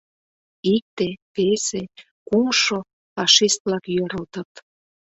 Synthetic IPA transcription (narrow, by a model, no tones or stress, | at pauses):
ik̚t̪epese | kumʃo | fɑʃist̪̚blɑkjøɾə̆lt̪ə̆t̪